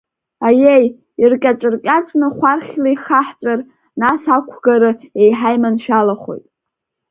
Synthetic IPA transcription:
ajej | irkʲʼaʈ͡ʂʼɨrkʲʼaʈ͡ʂʷʼnɨχʷarχʲlajχaħt͡sʷʼar | nasakʷʰɡaɾɨe̞jħajmanʃᶣalaχo̞̰jtʼ

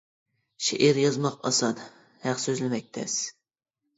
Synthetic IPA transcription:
ʃɪʔiɾjɒzmɑqɑ̰sɑd̪ | hæqsøzlɪmɛk̚ʲt̪ʰɛ̰s

